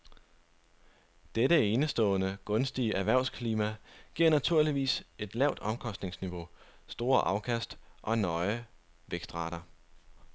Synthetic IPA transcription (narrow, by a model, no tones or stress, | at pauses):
d̥eɾəe̝nəsd̥ɔ̰̽ːnəɡ̥ɔ̽nsd̥iəʔæʋæɐ̰ʊskʰliːmæɡ̥iɐ̰næt͡sʰuɐ̰liʋḭːse̝d̥lɛʊ̰d̥ɒ̽mkʰɒ̽sd̥ne̝ŋsniʋo̝sd̥o̝ːɐʔɑ̈ʊkʰæsd̥ʔɒ̽nɒ̽ɪə | ʋeɡ̥sd̥ʁɑ̈ːɾ̥ɐ